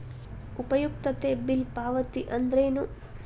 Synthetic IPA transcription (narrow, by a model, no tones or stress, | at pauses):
upɐjuk̚t̪ɐt̪eːbilpaːʋɐt̪iʔɐnd̪ɾeːnu